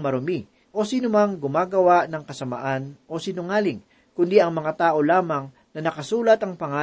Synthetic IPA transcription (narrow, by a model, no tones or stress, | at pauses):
mɐɾʊmi | ʔo̞siːnʊmɐŋɡʊmaːɡɐwaʔnɐŋkɐsɐmɐ̰ʔanʔo̞sinʊŋaːlɪŋ | kʊnd̪iʔɐŋmɐŋat̪aːʔo̞laːmɐŋ | nɐnɐkɐsuːlɐt̪ɐŋpɐŋaː